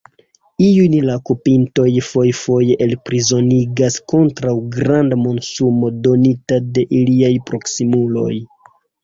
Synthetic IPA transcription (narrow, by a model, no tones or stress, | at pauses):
iunlakupinto̞jfo̞jfo̞je̞ʔelpɾizo̞niɡasko̞ntɾawɡɾandamo̞nsumo̞do̞nitade̞ʔiliajpɾo̞ksimulo̞̰j